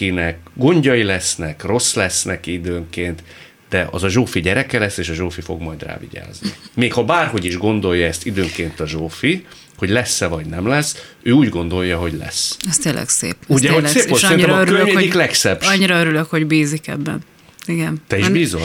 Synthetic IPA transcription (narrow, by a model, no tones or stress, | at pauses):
inɛkɡo̞ɲɟɒjilɛsnɛkro̞slɛsnɛkid̪øːŋkeːnt̪ | d̪̥ɛʔɒ̰zɒʒoːfiɟɛɾɛkɛlɛsːeːʃɒʒoːfifo̞̰ɡmɒjd̪ra̰ːvḭɟa̰ːznḭmeːkhɒbaːrɦo̞ɟiʒɡo̞nd̪o̞jːɒɛst̪id̪øːŋkeːnt̪ɒʒoːfi | ho̞ɟlɛsːɛvɒɟnɛmlɛs | øːuːɟɡo̞nd̪o̞jːɒɦo̞ɟlɛ̰sɛst̪eːlʔɛ̰ksḛːpuɟɛɦosseːposɾinɛøɾmɛiklɛksɛb̥ɒɲiɾɒøɾyløkhoɟbiːzikɛ̰bːɛ̰n | iɡɛnt̪ɛiʒbiːzo